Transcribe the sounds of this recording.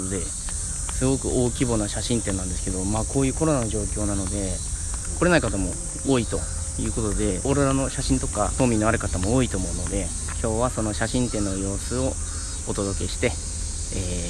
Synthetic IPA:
od̪e̞ | sɨɡo̞kɯ̟̰o̞ːkʲibo̞naɕaɕĩnt̪e̞nːãnd̪e̞sɨ̥ke̞d̪o̞maːko̞ːjɯ̟ːko̞ɾo̞nano̞ʑo̞ːkʲo̞ːnano̞d̪e̞ko̞ɾenaikat̪amo̞ | oːit̪o̞̰ | jɯ̟ːko̞t̪o̞d̪e̞oɾeɾano̞ɕaɕĩnt̪o̞ka̰t̪o̞ːmʲĩnːo̞aɾɯ̟kat̪amo̞oːit̪o̞ːmo̞ɯ̟no̞d̪e̞ | kʲʰo̞ːβaso̞no̞ɕaɕĩnt̪ẽ̞nːo̞jo̞ːsɨo̞ː | t̪o̞d̪o̞ke̞ɕi̥t̪e̞ː

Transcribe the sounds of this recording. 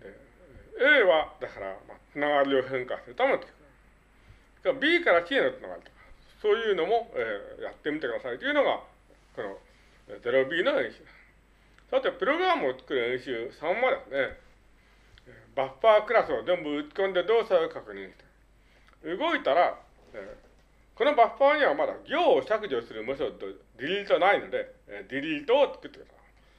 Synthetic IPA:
d̪e | eːβad̪akaɾa̰mat͡sɨnaɡaɾʲio̞ɦẽ̞ŋkasɨɾɯ̟t̪amenot̪ːe̥kɯ | kbʲiːkaɾakienot͡sɨna̰ɡa̰ɾʲit̪okḁ | so̞ːjɯ̟ːno̞mo̞eːja̰t̪ːe̞mʲit̪e̞kɯ̟d̪asait̪ːojiɯ̟no̞ɡa | ko̞no̰ | ze̞ɾo̞bʲiːno̞ẽɰ̃ɕɨːd̪ã | soat̪ːepɯ̟ɾo̞ɡɯ̟ɾamɯoːt͡sɨ̥kɯɾɯ̟ẽɰ̃ɕɨːsãmmad̪esɨne | baɸːaːkɯ̟ɾasɨozẽ̞mbɯɯt͡sɨ̥kõ̞nd̪e̞d̪o̞ːsaokakɯ̟ɲ̟ĩɰ̃ɕi̥t̪e | ɯ̟ɡo̞it̪aɾa | eː | ko̞no̞baɸːaːɲ̟iβamad̪a̰ɡʲo̞ːɕakɯ̟ʑosɨɾɯ̟mɯsod̪od̪ʲiɾʲiit̪o̞naino̞d̪e̞d̪ʲiɾʲit̪o̞ːt͡sɨ̥kɯ̟t̪ːe̞k̟d̪asa

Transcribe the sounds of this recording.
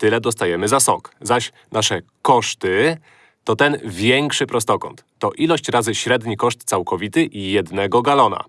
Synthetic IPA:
t̪ɘlɛd̪ɔst̪ajɛmɘzasɔ̰kzaɕ | naʂɛ | kɔʂt̪ɘ | t̪ɔt̪ɛnvʲjɛŋkʂɘpɾɔst̪ɔkɔ̰nt̪ːɔʔilɔɕt͡ɕɾazɘɕɾɛd̪ɲikɔʂt̪t̪sawkɔvʲit̪ɘʔijɛd̪nɛɡɔɡalɔna̰

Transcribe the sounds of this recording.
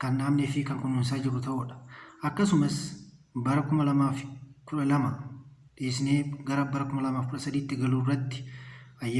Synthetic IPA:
kɐnɗaːmnɛfɪkɐŋkɔnːuːnsaːd͡ʒɪɾʊt̪ɐʔuːᶑɐ̥ʔɐkːɐsʊmɐs | bɐɾɐkʊmɐlɐmaːfkʊᶑɐlɐmɐ | ᶑeːsɪneːɡɐɾɐbɐɾɐkʊmɐlɐmaːfkʊᶑɐsɐd̪iːt̪ːɪɡɐluːrːɐt̪ːɪ̥ɐjɐ

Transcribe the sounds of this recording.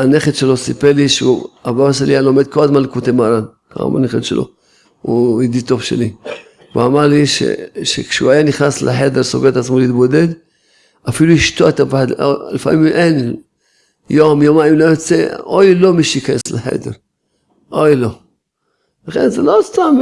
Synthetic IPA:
aneχetʃelo̞sipeliʃeṵabaaʃelialo̞med̪̚ko̞lazmanlkot̪emaɾan | ka̰ma̰neχetʃḛlo̰ | uid̪it̪o̞vʃḛli | veamaɾliʃḛʃḛkʃeuajaniχnaslḛħed̪eɾsoɡeet̪at͡smoliːt̪bo̞d̪ed̪ | afiluiʃt̪oet̪apaħad̪̰lifa̰miimʔen | jomjomaimlojot͡seojlo̞miʃeikajesleħḛd̪ḛɾ | ʔojlo̞ | laχḛnzelost̪am

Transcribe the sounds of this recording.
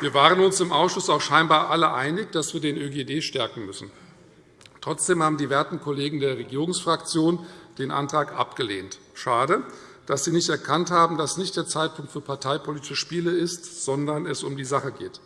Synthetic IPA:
viːɐvaːʁ̞ənʊnsɪmʔaʊsʃʊsaʊxʃaɪnbaːɐʔaləʔaɪnɪçd̥asv̥iːɐdeːnʔøɡeːdeːʃtɛɐkŋ̩mʏsn̩ | tʁ̥ɔt͡sd̥eːmhaːbm̩diːvɛɐtn̩kʰɔleːɡŋ̩deːɐʁeɡiːʁʊŋsfʁ̥akt͡sjoːnd̥eːnʔa̰ntʁ̥aːkʔa̰pɡ̥əlḛːnt | ʃaːdə | d̥asz̥iːnɪçtɛɐkʰanthaːbm̩dasnɪçtd̥eːɐt͡saɪt̚pʰʊŋktfyːɐpʰaɐtʰaɪpʰoliːtɪ̥ʃəʃpiːləɪstz̥ɔndɐnɛsʊmdiːzaχəɡeːt

